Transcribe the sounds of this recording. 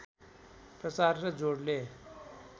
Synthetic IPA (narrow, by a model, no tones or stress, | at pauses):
pɾəsaːɾɾəd͡ʒoːɽleː